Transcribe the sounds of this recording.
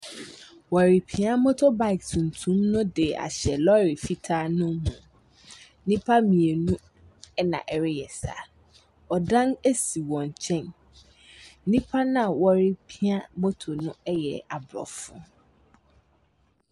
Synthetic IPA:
wɔ˨ɾi˨pʰi˨˦a˦mo˦tʰo˦ba˨ɪ˨ktʰũ˨n˨tʰũ˦mnʊ̃˦de˨a̰˨ɕɛ˨lɔ˦ɾi˨fi˦tʰa˦nʊ̃˦mũ˨˦ | nĩ˦pʰa˦mĩ˨e˨nũ˦ | ɛ˦nã̰˨ʔɛ˨ɾɪ˦jɛ˨sa̰˨ | ɔ˨dã˦ne˦si˨wɔ̃˨ɲ˨t͡ɕʰɛ̃˦˨n˦ | nĩ˦pʰa˦nã˦˨wɔ˨ɾi˦pʰi˦a˦mo˦tʰo˨nʊ̃˦ɛ˦jɛ̰˨a˨bɾɔ̰˨fʊ̰̃˦˨

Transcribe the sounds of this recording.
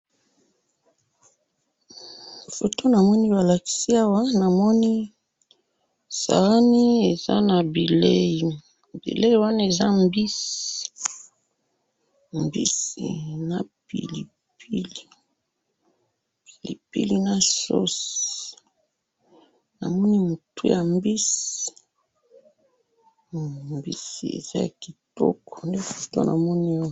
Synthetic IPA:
fo˨to˦na˨mɔ˦ni˦ba˨la˨ki̥˨si˦a˦wa˦na˨mɔ˦ni˦ | sa̰˨ɣa˦ni˦e˨za̰˦na˨bi˨le˦ji˨ | bḭ˨le˦i˦wa˦na˦e˨za˦mbi˦si˨ | mbḭ˦sḭ˨na˨pḭ˨li˨ | pʰi˦li˨ | pi˨lḭ˨pi˦li˦na˦so̰˦s | na̰˨mɔ˦ni˦mu˨tu˦ja˨mbi˦si˨ | mbḭ˦si˨ḛ˨za˦ja̰˨ki˨tɔ̰˦kɔ̥˨nde˦fu̥˦to̰˦nʔa̰˨mɔ˦ni˦o˦

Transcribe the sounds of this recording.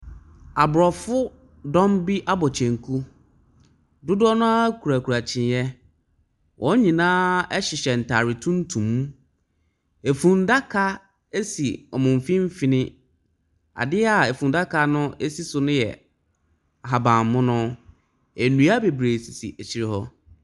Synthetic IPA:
a˨bʊ˨ɾɔ˨fʊ˦ | dɔ̃˦mbi˦ʔa˦bɔ˨t͡ɕʰɛ̃˨ŋ˨kʰu˦ | dʊ˦dɔ˦nʊ̃˦a˦kʰu˨ɾa˨kʰu˨ɾa˨t͡ɕʰɪ̃˨njɛ˦ | wʔɔ̃˨˦ɲĩ˨nãː˦ɛ˦ɕɪ˨ɕɛ˨n̩˨tʰaː˨ɾɪ˨tʰũ˦n̩˦tʰũ˨m˦ | e˨fũ˨n˦da˦kʰa˦ | e˦sḭ˨ɔ̰˨mʊ̃˨m˨fĩ˦m̩˦fi˨nɪ̃˦ | a̰˨dɪ˦a˨e˨fũ˨n˦da˦kʰa˦nʊ̃˦e˦si˦sʊ˨nʊ̃˦jɛ̰˨ | a˨ɦa˨bã˨m˨mʊ̃˦nʊ̃˦ | ɛ˨nũ˨a˦be˨bɾeː˨si˨sḭ˨ʔɛ˨t͡ɕʰi˨ɾɪ˨hɔ˦

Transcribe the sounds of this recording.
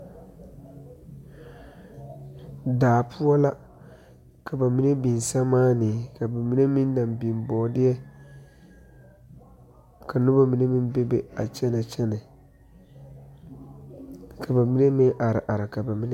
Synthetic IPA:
daː˨pʰu˦a˦la˦ | kʰa˨ba˨mi˦ne˦bi˨n˨sa˦maː˦nɪ˨ka˨ba˨mi˦ne˦mɪ˦n˦da˨mbi˨mbɔː˨dɪ˦jɛ˦ | kʰa˨nʊ˦ba˦mi˨ne˦mɪ˦nbe˦be˦a̰˨t͡ʃɛ˦na˨t͡ʃɛ˦nɛ˨ | kʰa˨ba˨mi˦ne˦mɪ˦ŋʔa˨ɾɪ̰˨ʔa˨ɾɪ˨ka˨ba˨mi˦n˦

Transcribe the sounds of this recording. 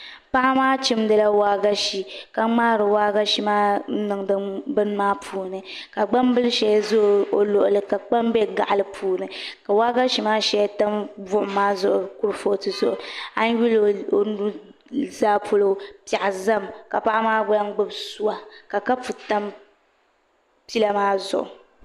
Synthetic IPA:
pa˦ʔa˦maː˦t͡ʃi˦mdɨ˦la˦waː˦ɡa˦ʃi˨ka˦ŋ͡maː˦ɾɨ˨waː˦ɡa˦ʃi˦maː˦nɨ˨ŋdɨ˦bɨ˦n˦maː˦pʰuː˦˨nɨ˨ka˨ɡ͡ba˦mbɨ˦lʃɛ˨ja˦zo˦˨o˨lo˨ʔʊ˨lɨ˨ka˨k͡pa˦mbɛ˦ɡa̰˨ʔa˨lɨ˦pʰuː˦nɨ˨ka˨waː˦ɡa˦ʃi˨maː˦ʃɛ˨ja˦ta˦mbʊ˦ʔʊ˨maː˦zʊ˦ʔʊ˨ku˦ɾfo˦tɨ˨zʊ˦ʔʊ˨a˦n˦ɥu˦lo˦o˦nu˦ | zaː˦pʰo˦lo˦pa˨ʔa˨za˦mka˨pa˦ʔmaː˦ɡ͡ba˦ŋ˦ɡ͡bɨ˦bsu˦wa˨ka˨ka˦pu˨ta˦m | pi˦la˦maː˦zʊ̰˨ʔʊ̰˨

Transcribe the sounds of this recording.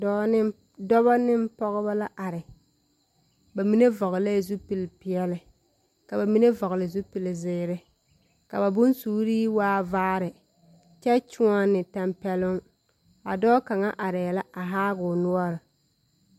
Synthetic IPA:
dɔ˦ɪ˦ | dɔ˦βa˦nɪ˦mpɔ˦ɣɪ˦ba˦la˦ʔa˨ɾɪ˨ | ba˨mi˦ne˦vɔ˨ɣɪ˨la˦˨zu˦pi˨lpɪ˨ɛ˦lɪ˨ | ka˨ba˨mi˦ne˦vɔ˨ɣɪ˨lɪ˨zu˦pi˨lɪ˨zɪː˦ɾɪ˦ | ka˨ba˨bʊ˦nsuː˦ɾiː˦waː˦vaː˦ɾɪ˨ | t͡ʃɛ˦t͡ʃʊ˦a˦nɪ˨ta˨mpɛ˨lʊ˦ŋ | a̰˨dɔː˦ka˨ŋa˦ʔa˨ɾɪ˨jɛ˨la˦a˨ɦaː˦ɣʊ˨nʊ˦ɔ˦ɾɪ˨

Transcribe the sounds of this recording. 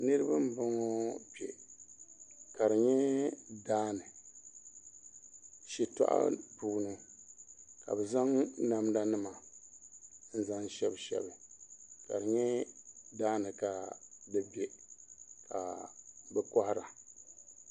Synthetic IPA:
nɨ˦ɾɨ˦ba˦m˦bɔ˦ŋɔ˦bɛ̰˨ | ka˨ɾɨ˨ɲɛ˦daː˦nɨ˨ | ʃi˨ta̰˦ʔa̰˦buː˨nɨ˨ | ka̰˨bɛ˨za˦ŋna˨mda˦nɨ˦ma˨ | n̩˦za˦n˦ʃɛ˦bʃɛ̰˦˨bɨ˨ka̰˨ɾɨ˨ɲɛ˦daː˦nɨ˨ka˨dɨ˦bɛ˨ | ka˨bɛ˨kɔ˦ha˦ɾa˨

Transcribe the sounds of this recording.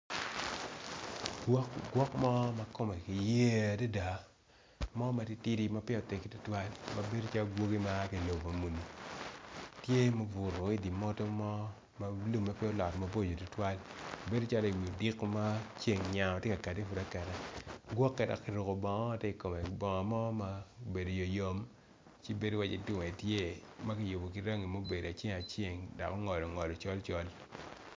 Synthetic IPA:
ɡwɔ˦kmɔ˦ma˦ko˦mɛ˨ki˨je˦a˨da˦da˨ | mɔ˦ma˨ti˦ti˦ɾi˦ma˦pɔ˨te˨ki˦tu˦twa˦lma˨be˦do˦t͡ʃa˦lo˦ɡwo˦ɡi˦ma˦ki˨lo˨bma˨mu˨ni˨ | tje˦mo˦bʊ˨ɾo˨i˦di˨mɔ˦to˦mɔ˦ | ma˦lu˦˨mma˨pɪ˦ɔ˦lɔ˨tma˨bo˦d͡ʒo˨tu˦twa˦lbe˦do˦t͡ʃa˦lɔ˦i˨wi˨o˨dɪ˦kːma˦t͡ʃe˦ŋɲa˨ɔ˨tje˦ka˨ka˨ti˦fu˨da˦kɛ˨ɾɛ˦ɡwɔ˦kːɛ˨da̰˨kːi˨ɾu˨ko˨bɔ˨ŋɔ˦a˨tɛ˦i˨ko˨me˨bɔ˨ŋɔ˨mɔ˦ma˦˨be˨do˨jo˨jo˦m | t͡ʃi˦be˦do˦wa˦t͡ʃḭ˨tʊ˦ŋ˨e˨tje˦ma˦ki˨jo˨bo˨ki˨ɾa˦ŋi˨mo˦be˨da˨t͡ʃe˦ŋa˨t͡ʃe˦˨ŋdɔ̰˨kɔ˦ŋɔ˨lɔ˨ŋɔ˨lɔ˨t͡ʃɔ˦lt͡ʃɔ˦l

